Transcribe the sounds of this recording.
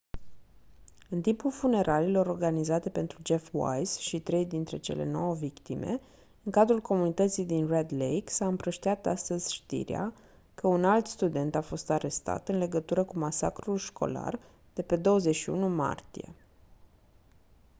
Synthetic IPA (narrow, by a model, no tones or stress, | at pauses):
ɨnt̪impulfune̞ɾʔalilo̞ɾo̞rɡanizat̪e̞pe̞nt̪ɾud͡ʒe̞fwa̰jsʃit̪ɾe̞jd̪int̪ɾe̞t͡ʃe̞̰lʔe̞̰no̞wəvikt̪ime̞̰ | ɨŋkad̪ɾulko̞munit̪ət̪sijd̪inred̪lejksaɨmpɾəʃt̪iat̪ast̪əzʲʃt̪ḭɾḛa̰ | kəunalt̪st̪ud̪e̞nt̪afo̞st̪aɾe̞st̪a̰t̪ɨnle̞ɡət̪uɾəkumasa̰kɾulʃko̞̰la̰r | d̪̥e̞pe̞d̪o̞wəzeʃiṵnuma̰rt̪ije̞̰